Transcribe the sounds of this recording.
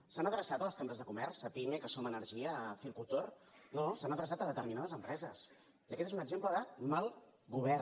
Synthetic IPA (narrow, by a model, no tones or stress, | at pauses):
sanəðɾəsat̪ələskambɾəzðəkumɛrsəpimekəsomənəɾʒiəfilkulˠt̪or | nosanəðɾəsat̪əðət̪əɾminaðəzəmpɾɛzəs | iəkɛt̪ezunəɡzempləðəmalˠ | ɣuβ̞ɛɾ